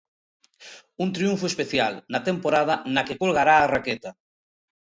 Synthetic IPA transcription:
unt̪ɾiuɱfʊespeθjalnɐt̪empoɾað̞ɐnɐkekolɣaɾaːraket̪a

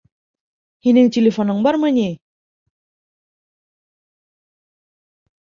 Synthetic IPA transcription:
hinɘŋtʲelʲɪfonɤɴbɑɾmɤnʲi

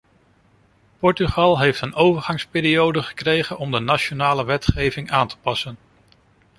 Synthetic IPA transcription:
pɔɹtyχɑlˠɦejftənowvəɹχɑŋspɪːɾiowdəχə̥krejχənɔmdənaʃonaːləʋɛtχejvɪŋaːntə̥pɑsən

